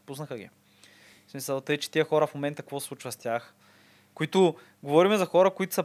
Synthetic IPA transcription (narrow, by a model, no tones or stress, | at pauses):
pusnəxəɡʲḭ | smisəlˠt̪ɤjt͡ʃɛ̥t̪iəxɔɾɐfmomɛnt̪əkɐkvɔsˠut͡ʃvəst̪jax | koit̪ʊ | ɡovɔɾimɛzɐxɔɾəkʊit̪ʊ̥sɐ